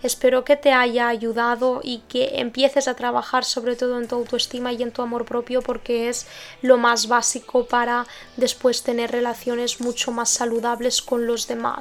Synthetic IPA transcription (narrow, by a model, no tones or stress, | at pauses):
e̞spe̞ɾoke̞t̪e̞aʝaːʝuðaðo̞ʔikeʔḛmpje̞θe̞sat̪ɾaβ̞axaɾso̞β̞ɾe̞t̪o̞ðoe̞nt̪uawt̪uest̪imaie̞nt̪uamo̞ɾpɾo̞pjo̞po̞ɾke̞ezlo̞mazβasikopaɾa | d̪e̞spwe̞st̪e̞ne̞rre̞laθjo̞ne̞zmut͡ʃo̞masːaluðaβle̞sko̞nlo̞zðe̞ma̰s